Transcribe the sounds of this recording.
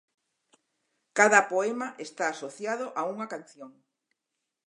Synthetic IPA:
kaðɐpoemaʔest̪aːsoθjaðoʔauŋakanθjoŋ

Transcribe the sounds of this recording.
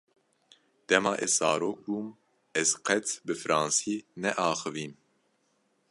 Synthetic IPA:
d̪̥ɛmɑːʔɛzzɑːɾoːk̚buːm | ɛzqʰɛt͡sbɨfɨɾɑːnsiːnɛʔɑːxɨviːm

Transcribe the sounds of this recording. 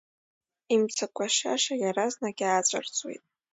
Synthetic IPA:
imt͡sʰakʷʰaʃa̰ʃajaɾaznaɡʲaːt͡ɕʷʼa̰rt͡sʼwḛjtʼ

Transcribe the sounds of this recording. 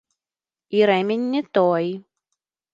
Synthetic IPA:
iɾɛmʲenʲːɛt̪ɔj

